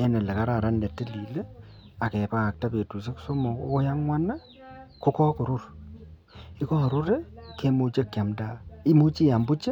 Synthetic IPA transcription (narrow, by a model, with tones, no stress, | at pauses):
ɛ˦nɛ˨lɛ˨ka˦ɾa˨ɾa˦ndɛ˨tːɪ˦li˨le˦a˨kɛ˨pa˦a˨k̚ta˦pe˨tu˨s̬e˦kso˦mɔ˨ko˦ja˦ŋwʷa˦na˦ | kʊ˦kɔ˦kʊ˨ɾʊ˦r | ɪ˦kɔ˦a˨ɾʊ˦ɾe˦ke˦mo˦t͡ʃa˦˨kja˨mda˦ɪ˦mo˦t͡ʃi˦ja˨mbʊ˦t͡ʃe˦